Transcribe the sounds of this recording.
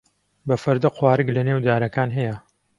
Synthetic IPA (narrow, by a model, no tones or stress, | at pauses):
bɐfɐɾd̪ɐqʰwaːɾɨɡlɐneːwd̪aːɾɐkaːnɦɛjɐ